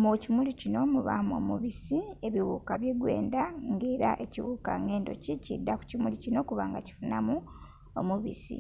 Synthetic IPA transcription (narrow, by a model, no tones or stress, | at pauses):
mocimulicino̞muβamo̞̰muβisie̞βiwuːkaβjeɡwe̞̰ːndaŋɡeːɾaʔe̞ciwuka̰ŋe̞ːndo̞̰cicḭdːaku̥cimulicino̞kuβaŋɡaci̥funamu | omuβḭsḭ